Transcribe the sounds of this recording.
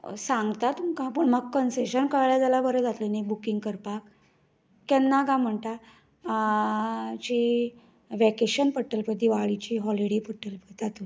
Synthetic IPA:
saŋɡt̪at̪umkãpəɳməɡkənseɕənkəɭɭjad͡zalabəɾəd͡zat̪lənibukiŋɡkəɾpakː | ɛnːaɡãm̤əɳt̪a | t͡ɕi | ʋɛkeɕənpəʈːəlpət̪iʋaɭit͡ɕiɦɔliɽepəʈəlpəd͡zat̪u

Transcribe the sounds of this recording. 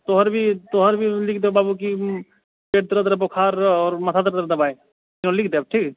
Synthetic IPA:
t̪oɦəɾbʱit̪oɦəɾbʱilɪk̚ʰd̪ebaːbuki | peːʈ̚t̪ɾəd̪ɾbokʰaːɾɔːɾmɐt̪ʰad̪əɾəd̪əɾd̪ɐbaːe | ɪnõlɪk̚ʰd̪eɐb̚ʈʰiːk

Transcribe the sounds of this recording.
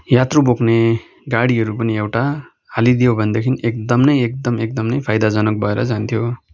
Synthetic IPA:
jat̪rubokʰne | ɡaɽiɦʌɾupʌniewʈa | ɦalid̪ijobʱʌnd̪ekʰinʔek̚d̪ʌmnʌjek̚d̪ʌmek̚d̪ʌmnʌjpʰajd̪ad͡zʌnʌk̚bʌeɾʌ̰d͡zant̪ʰijo

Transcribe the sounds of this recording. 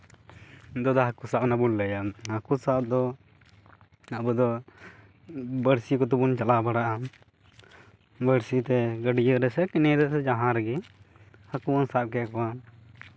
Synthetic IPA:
d̪ɔd̪ɔɦakusapnabulːɛjahakusap̚d̪ɔ | abud̪ɔ | bəɽsikɔt̪ubunt͡ʃalabaɽaʔa | bəɽsit̪ɛɡəɖijəɾɛsɛkinɛd̪ɛɛd͡ʒaɦãɾɛɡi | hakuwansap̚kɛkɔa

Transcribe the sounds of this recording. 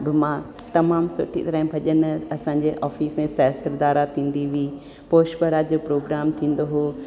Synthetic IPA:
bɪmã | t̪ɐmaːmsʊ̰ʈʰḭt̪ɐɾəɦɪ̃bʱɐʄənɐsãːɲd͡ʑeʔaːfiːsmẽsɛːst̪əɾd̪aːɾat̪ʰĩːn̆d̪iʋiː | poːʃbəɽad͡ʑoːpɾoːɡɾaːmt̪ʰĩːn̆d̪oɦoː

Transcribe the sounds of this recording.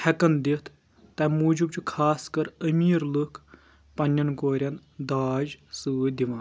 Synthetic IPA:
hɐkɐnd̪it̪ʰː | ɐmuːd͡ʒub̚t͡ʃukʰaːskɐɾɐmiːɾlɨkʰ | pɐnʲːɐnkoːɾʲɐnd̪aːd͡ʒsɨʋɨd̪iʋãːn

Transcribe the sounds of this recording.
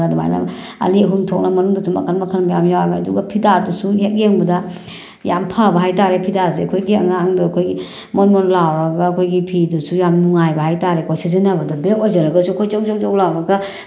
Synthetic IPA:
aduma̰jna̰a̰liɦumtʰɔk̚namɐnuŋdasʰuma̰kʰanmakʰanmajamjawamaaduɡapʰidadusuhek̚jeŋbɐda | jampʰabɐɦajtaɾepʰidazeɐkʰojɡiaŋaːŋdɔkʰojɡi | mɔnmɔnlawɾaɡaːkʰojɡipʰidusujamnuŋajbaɦajtaɾekʰojsizinabɐdabekojzaɾaɡasukʰojt͡ʃɔkt͡ʃɔk̚t͡ʃɔklawɾaɡa

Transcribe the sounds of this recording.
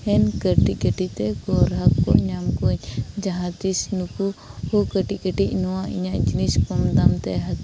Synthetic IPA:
hɛnkəʈikəʈit̪ɛɡɔɾɦakːɔʔɲamkoɲd͡ʒaɦãt̪isnukuhukəʈikəʈiʔnɔwãʔḭɲaʔd͡ʒiniskɔmd̪amt̪ɛɦak

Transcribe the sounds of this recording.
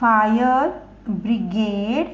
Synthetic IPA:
ajəɾ | bɾiɡeɖ

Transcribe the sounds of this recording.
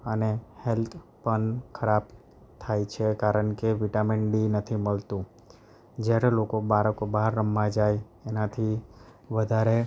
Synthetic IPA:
ənehelt̪ʰpəɳkʰəɾab | t̪ʰajt͡ʃʰekaɾəɳkeʋiʈamiɳɖinət̪ʰiməlt̪ũ | d͡ʒjaɾelokobaɾəkobaɦɾːəmːãd͡ʒaj | enat̪ʰi | ʋəd̪ʱaɾe

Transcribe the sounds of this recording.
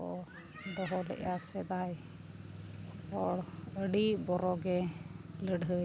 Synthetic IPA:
ɔ | d̪ɔɦɔlɛ̰ʔjasɛd̪aj | ɔɽəɽibɔɾɔɡɛləɖɦə

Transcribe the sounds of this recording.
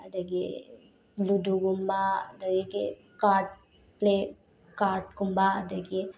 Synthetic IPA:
d̪əɡḛ | luduɡumbad̪əɡeke | kaːɾʈ̚ | ple | kaːɾʈɡumbad̪əɡe

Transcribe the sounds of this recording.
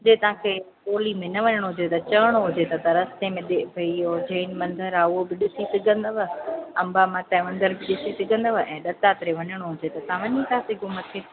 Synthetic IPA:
d͡ʑeːt̪ɐʋ̤ãkʰeː | poːlimẽnɐʋɐɲəɽ̃oɦʊd͡ʑet̪ɐt͡ɕɐəɽ̃oɦʊd͡ʑet̪ɐt̪ɐɾɐst̪emẽɗebʱɐiod͡ʑɐinmɐ̃nd̪ʱəɾaːʊɦobɪɗɪsisɪɡʱə̃nd̪əʋəɐ̃mbamãt̪ɐːʋə̃nd̪əɾbɪɗɪsisɪɡʱə̃nd̪əʋəʔɛ̃ːɗɐt̪at̪ɪɾeʋɐɲəɽ̃oɦʊd͡ʑet̪ɐt̪ɐãʋɐɲisaːsiɡʊmət̪ʰeː

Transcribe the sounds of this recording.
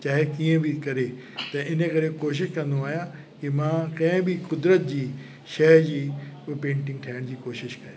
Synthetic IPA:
t͡ɕaːɦekiːə̃bʱɪkɐɾe | t̪ɐɪnəkɐɾekoːʃ̬ɪʃkɐ̃nd̪oaːɦijã | kɪmãːkɐ̃ɦɪ̃bɪkʊd̪ɾət̪̚d͡ʑiː | ʃɐɾd͡ʑiːpẽːɳʈɪ̃ŋɡʈʰaːəɽ̃d͡ʑiːkoːʃɪʃkɐɾe

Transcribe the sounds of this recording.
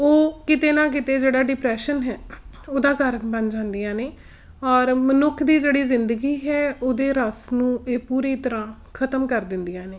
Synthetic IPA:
oːkɪt̪eːnãːk̬ɪt̪eːd͡ʒeːɽaːɖɪpɾɛːʃənɦɛːoːd̪aːkəɾbənd͡ʒãːnd̪ijãːneː | ɔːɾmənʊkʰd̪iːd͡ʒeːɽiːzɪnd̪əɡiːɦɛːoːd̪eːɾəsnũːeːpuːɾiːt̪əɾãː | kʰət̪əmkəɾd̪ɪnd̪ijãːneː

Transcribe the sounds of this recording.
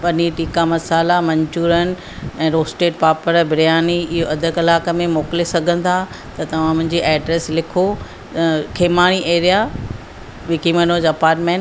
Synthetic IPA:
pɐniʈiːkamɐsaːlamɐ̃ɲt͡ɕuːɾənɪ̆ | ɛ̃ːɾoːsʈeːʈpaːpəɾbʱɪɾjaːniɪɦoɐd̪ʱəkɐlaːkəmẽmoːkɪlesɐɡʱə̃n̆t̪ʰa | t̪ɐt̪ɐʋ̤ãmʊ̃ɦɪ̃ɲd͡ʑiʔɛːɖɾeːslɪkʰo | kʰeːmaːɽ̃iʔeːɾija | ʋɪkimɐnoːd͡ʑɐpaːɾʈmẽːn

